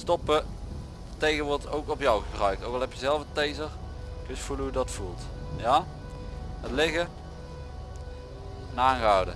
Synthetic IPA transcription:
stɔpə | ətejɣəʋʊːɹdətowkɔpjɔwɣəbrœɥkowkɑlˠɛpjəzɛlˠəvətejzərkɪsfuləɦujədɑtfulˠtjaː | ɦətlɪɣə | naːŋɣəɑwdə̰

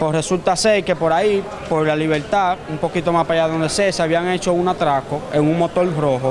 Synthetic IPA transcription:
pwesre̞sult̪aseke̞po̞ɾai | po̞ɾlaliβ̞e̞ɾt̪aumpo̞kit̪o̞maspaʝaðo̞nd̪e̞seseaβiaŋe̞t͡ʃo̞unat̪ɾako̞e̞ŋuŋmo̞t̪o̞lfɾo̞ɦo

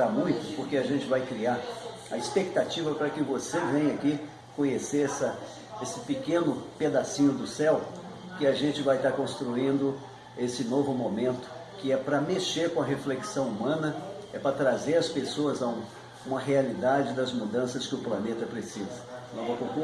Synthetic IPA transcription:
amũj̃t̪ʊ̥poɾkeaʒẽnt͡ʃɪvajkɾiaɾ | ɐispek̚t̪at͡ʃivɐpɾɐkɪvosevẽj̃ɐki | kõɲeseɾɛsɐ | esɪ̥pɪkẽnʊped̪asĩɲʊd̪ʊsɛw | kɪaʒẽnt͡ʃɪvajt̪aɾkõst̪ɾuĩnd̪ʊ | esɪnovʊmõmẽnt̪ʊ̥kɪɛpɾɐmeʃeɾkõɐɦefleksɐ̃w̃umɐ̃nɐɛpɾɐt̪ɾazeɾɐspesoɐzaũ | ũmɐɦealid̪ad͡ʒɪd̪ɐzmud̪ɐ̃sɐskɪʊplɐnet̪ɐpɾesizɐɐ̃w̃vokõku

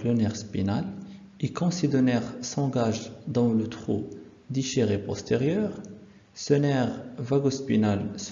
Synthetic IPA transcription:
lɔnɛʁspinal | ekɔ̃sid̪ɔnɛʁsɑ̃ɡaʒd̪ɑ̃lət̪χu | d̪iʃeʁepɔ̰st̪ʰeʁjœʁ | sənɛʁvaɡospinals

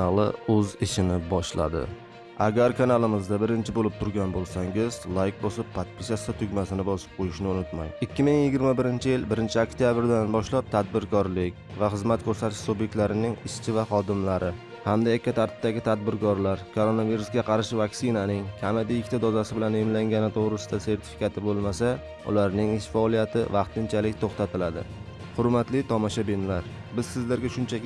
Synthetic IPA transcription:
alˠɪ̰ɵzɪʃɪnɪbɒʃla̰d̪ɪ̰ | aɡʲaɾkʰanalˠɪmɪzd̪abɪɾɪnt͡ʃʰɪbolɪp̚t̪ʰʊɾɡʲanbolˠsaŋɪzlˠajk̚bosɪpʰːat̪̚pʰɪʃast̪at̪ʰʊɡʲmasɪnɪbɒsɪ̥p̚qʰojɪʃnɪʊnʊt̪majɪkʲʰːɪmɪŋjɪɡʲɪɾmabɪɾɪnt͡ʃʰɪjɪlbɪɾɪnt͡ʃʰɪakt̪ʰjabɪɾd̪anbɒʃlap̚t̪ʰad̪̚bɪɾkɒɾlɪkʲvaχɨzmat̪̚kʲʰɵɾsat̪ʰɪ̥ʃsubjek̚t̪laɾɪnɪŋɪʃt͡ʃʰɪvaχɒd̪ɪmlaɾɪ | hamd̪ajakʲʰːat̪ʰaɾt̪ʰɪ̥p̚d̪aɡʲɪt̪ʰad̪̚bɪɾkɒɾlaɾkʰoɾonaviɾusɡʲaqʰɑɾaʃɪvaksɪnanɪŋkʲʰamɪd̪ɪɪkʲt̪ʰad̪ɒzasɪbɪlanemlaŋɡʲanɪt̪ʰoʁɾɪsɪd̪ase̞ɾt̪ʰɪ̥fi̥kat̪ʰɪbolˠmasa | ʊ̰laɾnɪŋɪʃfaɒlˠijat̪ʰɪ̰vɑqt̪ɪnt͡ʃʰalɪk̚ʲt̪ʰoχt̪ʰat̪ʰɪlad̪ɪ̰ | hʊɾmat̪lɪt̪ʰɒmɒʃabinlaɾ | bɪzsɪzlaɾɡʲaʃʊnt͡ʃʰa

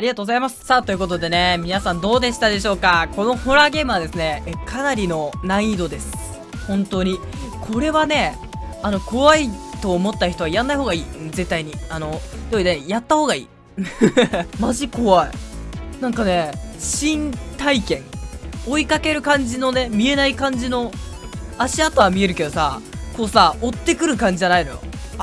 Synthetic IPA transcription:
aɾʲiɡat̪oːɡo̞zaimasɨ̥sat̪ojɯ̟ko̞t̪̬o̞d̪e̞nemʲinasãnd̪o̞ːd̪e̞ɕi̥t̪ad̪e̞ɕo̞ːkako̞no̞ho̞ɾaɡe̞ːmɯβad̪e̞sɨne̞kʰanaɾʲino̞naid̪o̞d̪e̞sɨ̥ | hõ̞nt̪o̞ːɲ̟i | kʰo̞ɾe̞βane̞ | ano̞ko̞βait̪o̞ːmot̪ːaçʲi̥t̪o̞βaiɾãnːaihoːɡaiːze̞t̪ːaiɲ̟iano̞d̪ed̪ejat̪ːaho̞ːɡaḭː | maʑiko̞βaḭnãŋkane̞ɕĩnt̪aikẽ̞ŋo̞ikake̞ɾɯ̟kãɲ̟d͡ʑino̞ne̞mʲie̞naikãɲ̟d͡ʑino̞ | aɕiat̪ːoamʲie̞ɾɯ̟ke̞d̪o̞sako̞ːsaot̪ːe̞kɯ̟ɾɯ̟kãɲ̟d͡ʑiʑanainojo̰

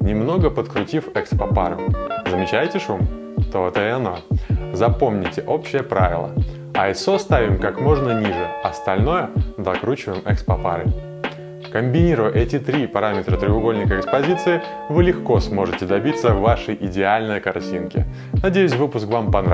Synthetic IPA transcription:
nʲɪmno̞ɡəpət̪kɾʊtʲifɛkspɐpaɾʊ̰zəmʲɪt͡ɕæjtʲɪʂum | t̪oɛt̪əɛɐnozɐpo̞mnʲɪtʲɪʔo̞pɕːɪjəpɾavʲɪ̰lˠə̰ | ɐɪsost̪avʲɪmkakmo̞ʐnənʲiʐɨɐst̪ɐlʲno̞jəd̪ɐkɾut͡ɕɪvəjɪmɛkspɐpa̰ɾɨ̰ | kəmʲbʲɪnʲiɾʊjəʔɛtʲɪt̪ɾʲipɐɾamʲɪt̪ɾət̪ɾʲɪʊɡo̞lʲnʲɪkəɪkspɐzʲit̪sɨɪ | vɨlʲɪxko̞smo̞ʐɨtʲɪd̪ɐbʲit̪sːəvaʂəjʔɪdʲɪalʲnɨjəkɐrtʲinkʲɪ̰ | nɐdʲejʉsʲvɨpʊskvampɐn

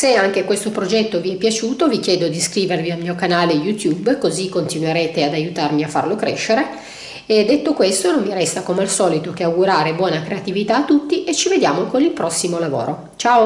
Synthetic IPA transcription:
seaŋk̟ekwest̪opɾod͡ʒɛt̪ːoviɛpːjat͡ʃuːt̪ovik̟jɛːd̪od̪iskɾiːvervialmiːokanaːlejut̪jubkozikːont̪inuweɾeːt̪ead̪ajut̪armiafːa̰rlokɾḛʃːeɾe | ed̪ːet̪ːokwest̪onommiɾɛst̪akomealsɔːlit̪okeawɡuɾaːɾebwɔːnakɾeat̪ivit̪aːt̪ːut̪ːiʔet͡ʃːived̪ja̰ːmokonilpɾɔsːimolavo̰ːɾʔo | t͡ʃao

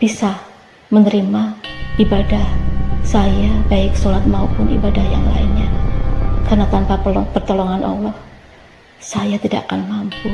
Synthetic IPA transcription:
b̥isa | mənəɾimaibadahsajabaɪksolat̪̚maupʊnḭbadahja̰ŋla̰ɪnɲa | karnat̪anpaplɔpərt̪olɔŋanʔɔ̰lɔh | sajat̪idaʔakanmampu

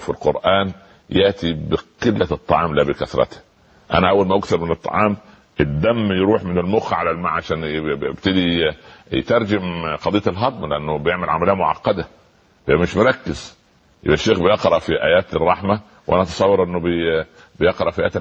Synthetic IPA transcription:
filqoɾˤʔæːn | jeʔt̪ʰibeqelːæt̪ˤːɑ̰ʕɑːmlæːbekæθɾˤɑ̰t̪æ̥ | ʔæ̰næʔæwːælmæʔakθɑɾˤmɪnet̪ˤːɑ̰ʕɑːm | ʔed̪ːæmːjɾuːħmɪnelmoxʕalælmaʕaʃæːnbt̪ed̪ij̰t̪ɑɾˤd͡ʒemqɑd̪ejːɑt̪elɦɑd̪ˤmleʔænːʊbejeʕmælʕa̰mæleːæmoʕɑ̰qːɑd̪æ | hejːæmɪʃmoɾˤɑkːɪz̥ | jḛbʔæʃːeːxbejeqɾˤɑʔfiʔæ̰ːjæːt̪rˤːɑħmæ | wʔænæʔɑt̪ɑ̥sˤɑwːɑɾˤʔenːʊb | bejeqɾˤɑʔfiʔæʔæːt̪

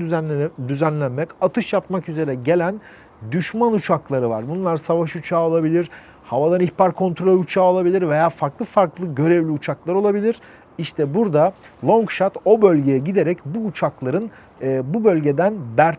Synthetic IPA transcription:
d̪yzænlʲænmɛcat̪ʰɯʃjap̚makyze̞ɾɛɟe̞lʲæn | d̪yʃmanut͡ʃʰaklˠaɾɯva̰ɾbunlˠaɾsavaʃut͡ʃʰaːolˠabilʲiɾ̥ | havad̪aniçpʰaɾkʰo̞nt̪ɾo̞lʲut͡ʃʰaːolˠabilʲiɾve̞jaːfaɾklˠɯfaɾklˠɯɟø̞ɾɛvlʲiut͡ʃʰaklˠaɾo̞lˠabilʲiɾ̥ | iʃt̪ʰɛbuɾd̪a | lˠo̞ŋkʃat̪o̞bø̞lʲɟe̞jɛɟid̪e̞ɾɛcbuːt͡ʃʰaklˠaɾɯnː | bubø̞lʲɟe̞d̪ænbæɾ

